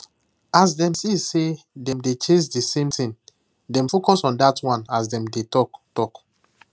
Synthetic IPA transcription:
asdɛ̃msise | dɛ̃mdet͡ʃẽnsdisẽmtĩn | dɛ̃mfokɔsɔ̃ndatwãnasdɛ̃mdetɔktɔk

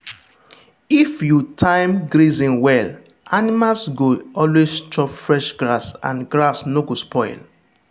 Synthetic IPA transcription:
ifjutʰãɪmɡɾizĩnwɛl | animalsɡoɔlwest͡ʃɔpfɹɛʃɡɹasã̰nɡɹasnoɡospʰɔɪl

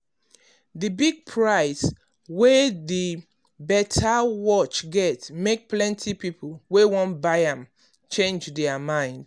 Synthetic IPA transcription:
ðɨbiɡ̚pʰɹaɪs | weði | bɛtʰawɔt͡ʃɡɛtmek̚plɛ̃ntʰipipʰl̩ˠwewɔ̃nbaɪãm | t͡ʃẽnd͡ʒdɛamãɪ̃nd̥

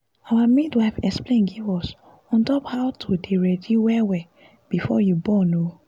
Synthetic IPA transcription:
awamidwaɪfɛksplẽnɡivɔs | ɔ̃ntɔphaʊtʰodeɹɛdiwɛwɛ | b̥ifɔ̰jubɔno

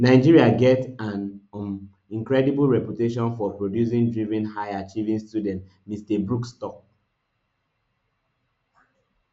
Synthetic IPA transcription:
naɪd͡ʒiɹiaɡɛtãn | ĩŋkɹɛdiblɹɛpjuteʃɔ̃nfɔpɹodjusĩŋdɹivĩnhaɪat͡ʃivĩŋstjudɛ̃nt | mistɛbɹukstɔk̚

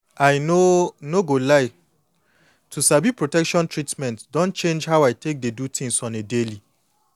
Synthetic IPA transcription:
ajnonoɡolaɪ | tʰusabipɹotɛkʃɔ̃ntʰɹitmɛ̃ntdɔ̃nt͡ʃẽnd͡ʒhawajtʰek̚dedutʰĩŋsɔ̃nedeli

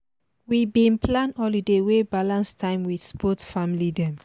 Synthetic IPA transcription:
wibĩnpʰlãnɔlidewebalãnstʰãɪ̃mwidspʰɔtfamilidɛ̃m

